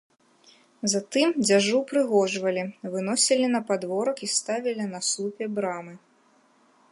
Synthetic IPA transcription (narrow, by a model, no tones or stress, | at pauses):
zat̪ɨmd͡zʲaʐupɾɨɣɔʐvɐlʲivɨnɔsʲilʲinɐpad̪vɔɾɐkist̪avʲilʲinɐsupʲɛbɾamɨ